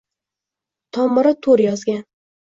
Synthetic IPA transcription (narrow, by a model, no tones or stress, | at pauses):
t̪ʰɒmːɪɾɪt̪ʰoɾjɒzɡʲan